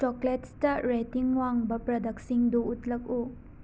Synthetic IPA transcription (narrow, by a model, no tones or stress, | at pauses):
t͡ʃokletstɐɾetiŋwaŋbɐpɾɐdɐk̚siŋduːtlɐk̚u